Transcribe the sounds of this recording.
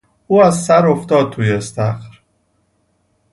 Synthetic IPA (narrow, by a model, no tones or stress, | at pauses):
uːæzsæɾoft̪ɒːd̪̚t̪ʰuːjest̪æxɾ